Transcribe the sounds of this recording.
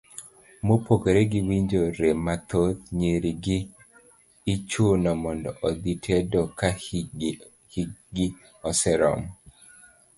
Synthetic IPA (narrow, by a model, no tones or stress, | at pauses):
mopokeɾeɡiwiɲd͡ʒoɾemat̪ot̪ɲeɾiɡɪː | t͡ʃonɔmɔndɔʔɔd̪itʰedɔka | hiɡɪ | ɔsɛɾɔ̰m